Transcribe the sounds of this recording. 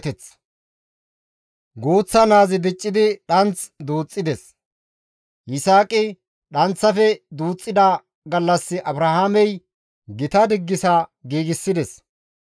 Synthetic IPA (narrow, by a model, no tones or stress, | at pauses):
t̪ɛt͡s | ɡoːt͡sːɐnaːzɪd̪ɪt͡ʃʼːɪd̪ɪɗɐnt͡sd̪uːt͡sʼːɪd̪ɛs | ʔɪsaːkʼɪ | ɗɐnt͡sːɐfɛd̪uːt͡sʼːɪd̪a | ɡɐlːɐsːɪʔɐbɾɐhaːmɛj | ɡɪt̪ɐd̪ɪɡːɪsɐɡiːɡɪsːɪd̪ɛs